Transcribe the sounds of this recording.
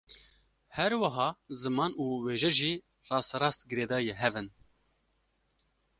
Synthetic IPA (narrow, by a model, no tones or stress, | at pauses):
hɛɾwɐɦɑːzɨmɑːnuːweːʒɛʒiː | rɑːsɾɑːst̪ɡɨɾeːd̪ɑːjeɦɛvɨn